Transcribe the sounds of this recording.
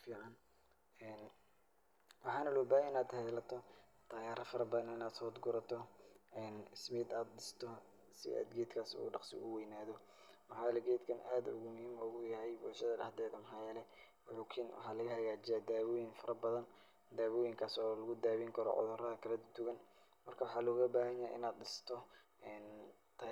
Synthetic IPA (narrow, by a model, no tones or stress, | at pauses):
fiːʕɑn | ɛːn | wɑħɑːnɐlɔːbaːjɛɪnaːd̪hɛðlɐt̪ʰɔ | t̪ʰaːɣaːɾɐfɐɾɐbɐðɐnɪnaːd̪sɔːd̪ɡʊɾɐt̪ʰɔɛːnɪsmɪːd̪aːd̪ɗɪst̪ʰɔ | sɪ̰a̰ːd̪ɡɛːd̪kʰaːsṵːɖɑqsɪ̰ʊ̰wɛjnaːðɔ | wɑħɑːjlɛɡɛːd̪kʰɐnʔaːd̪ʊ̰ɣʊmʊhiːmɔɣʊjɐɦɛjbʊɾʃɐðɐdɐ̰d̪ɛːðɐmɦɑjɛːlɛwʊħuːkʰiːnwʔɑ̰ħɑːlɐɣɐɦɐɣaːt͡ʃɪjaːd̪aːwɔːjɪnfɐɾɐbɐðɐn | d̪aːwɔːjɪŋkʰaːsɔːlɐɣʊd̪aːwiŋkʰɐɾɔ̰ʕʊ̰ðʊrɐðɐkʰɐlɐd̪ʊt̪ʊɣɐn | mɐrkʰɐwɑħɑːlɔːɣɐbaːɦɐɲja̰ʔɪ̰naːd̪ɗɪst̪ʰɔ | ɛːn | t̪ʰː